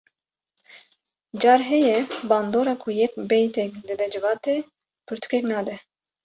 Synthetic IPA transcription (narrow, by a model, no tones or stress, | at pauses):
d͡ʒɑːɾɦɛjɛbɑːnd̪oːɾɑkʰujɛkbɛjt̪ʰɛkd̪ɨd̪ɛd͡ʒɨvɑːt̪e | pʰɨɾt̪ʰu̥kʰeknɑːd̪ɛ